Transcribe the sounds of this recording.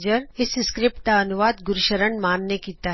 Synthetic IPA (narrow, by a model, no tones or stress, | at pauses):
d͡ʒəɾɪsskɾɪp̚ʈ̚d̪aɐnuʋaːd̪ɡʊɾʃəɾəɳmaːnːekiːt̪aɦ